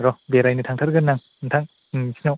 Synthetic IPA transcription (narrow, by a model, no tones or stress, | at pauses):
ɾɔbeɾajnɯtʰaŋtʰaɾɡɯnːaŋ | ntʰaŋ | sʰinaw